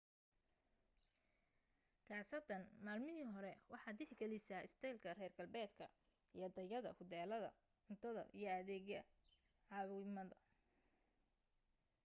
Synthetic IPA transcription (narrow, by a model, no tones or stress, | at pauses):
kʰɑːsɐd̪ɐnmaːlmɪɦiɦɔɾɛwɑħɑːd̪d̪ɪħɪɡɐlɪsaːɪst̪ʰɛjlkʰɐrɛːrɡɐlbɛːd̪kʰɐ̰ | ijd̪ɐjɐðɐ̰hʊd̪ɛːlɐðɐ̰ | ʊnt̪ʰɐðɐ̰ʔijɞɐðɛːɣjɐ | ʕɑβɪmɐðɐ